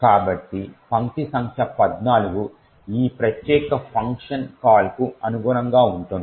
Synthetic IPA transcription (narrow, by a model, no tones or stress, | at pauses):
kaːbɐʈːipɐŋtisɐŋkʰjɐpɐd̪naːluɡu | iːpɾɐt̪jɛːkɐpʰɐŋkʂɐnkaːlkuɐnuɡuːɾɐŋɡaːuɳʈund̪i